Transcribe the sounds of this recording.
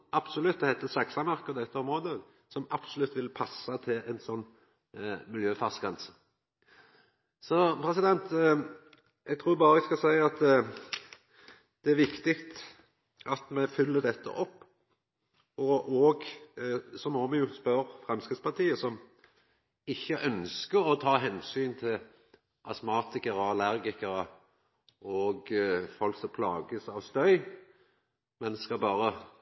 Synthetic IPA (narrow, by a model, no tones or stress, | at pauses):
ɑb̥sɔlʉt̪̚d̪ɛhæɪt̪ːəsɑksɑmæʁkəd̪ɛt̪ːəɔmɾʁoːd̪ə | sɔmɑb̥sɔlʉt̪ːʋɪlpʰɑsːɑt̪ʰɪlɛnsɔnː | mɪljøːfɑʁskɑnsə̥ | sɔpʰɾɛsɪd̪ɛnt̪ | ɛɡt̪ʰɾuːɾbɑːɾəɛskɑsæɪɑt̪ | d̪̥ɛæɾʋɪkt̪ɪkt̪ | ɑt̪mɛfʏlːəd̪ɛt̪ʰːə̰ʔɔpː | ɔʔoːɡ | sɔmɔmɛjʊspœɾfʁɛmskɾɪt̪spɑʁt̪ʰiːəsɔm | ɪçːəʔœnskəɾɔt̪ʰɑːɦɛnsyːnt̪ʰɪl | ʔɑsmɑːt̪ɪkəɾəɑlæɾɡɪkəɾə | ɔɡfɔlksɔmpʰlɑ̰ːɡəsɑʋst̪œʏ | mɛnskɑbɑːɾə